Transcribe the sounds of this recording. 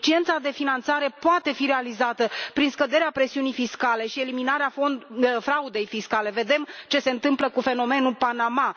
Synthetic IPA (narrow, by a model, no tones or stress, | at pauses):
t͡ʃie̞nt̪sad̪e̞finant̪saɾe̞poat̪e̞fiɾe̞alizat̪əpɾinskəd̪e̞ɾeapɾe̞siunijfiskale̞ʃie̞liminaɾeaofɾaud̪e̞jfiskale̞ve̞d̪e̞mt͡ʃe̞se̞ɨnt̪ɨmpləkufe̞no̞me̞nupanama